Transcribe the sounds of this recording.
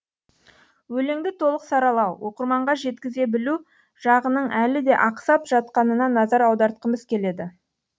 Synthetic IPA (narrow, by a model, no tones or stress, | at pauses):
wɵleŋd̪ɪt̪ʰo̞lˠəqsɑɾɑlˠɑwwo̞qəɾmɑɴʁɑʒe̞t̪kʲɪze̞bɪlu | ʒ̥ɑʁənəɴʔælɪd̪e̞ʔɑqsɑpʒ̥ɑt̪qɑnənɑnɑzɑɾɑwd̪ɑɾt̪̚qəməz̥kʲʰe̞le̞d̪ɪ